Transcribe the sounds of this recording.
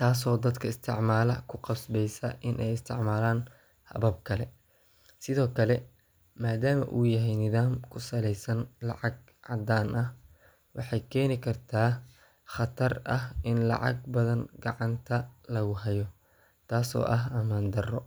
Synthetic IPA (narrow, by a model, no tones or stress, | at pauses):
t̪ʰaːs̬ɔːd̪ɐd̪kʰɐɪst̪ʰɪʕmaːlɐ̰kʰʊqɑsbɛjsɐʔɪnʔɛjɪst̪ʰɪʕmaːlaːn | hɐ̰βɐb̚kʰɐlɛ | sɪðɔːkʰɐlɛ | maːd̪aːmɐ̰ʔṵːjɐɦɛjnɪðaːmkʰʊsɐlɛjsɐnlɑ̰ʕɑɡ̚ | ʕɑ̰d̪aːnʔɐh | wʔɑħɑjkʰɛːnɪkʰɐrt̪ʰaː | χɑt̪ʰɐrɐɦɪnlɑ̰ʕɑ̰ɡ̚bɐðɐnɡɑ̰ʕɑnt̪ʰɐlɐɣʊɦɐjɔ | t̪ʰaːsɔ̰ːʔɐɦɐmaːnd̪ɐrɔ